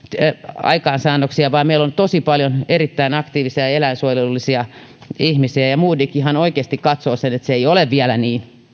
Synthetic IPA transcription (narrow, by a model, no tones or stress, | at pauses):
ɑ̰ikɑːnsɑːnːoksiɑʋɑːmeilont̪osipɑljonerit̪ːæinɑkt̪iːʋisiɑelæinsuojelːisiɑ | ihmisiæjɑmuːdikihɑnoikeːst̪ikkɑt̪soːsenet̪seeioleʋʋiælæniːn